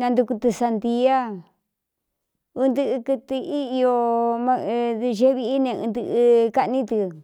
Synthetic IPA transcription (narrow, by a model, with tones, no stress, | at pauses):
nã˧nd̪u˧ku˧t̪ɨ˧sa˧nd̪i˧˦a˦ | u˧nd̪ɨ˧ʔɨ˧kɨ˧t̪ɨ˧i˦i˧o˧mã˧ðɨ˧ʒe˦βi˧˦i˦nẽ˧ɨ̰̃˧nd̪ɨ˧ʔɨ˧ka˧ʔnĩ˦t̪ɨ˧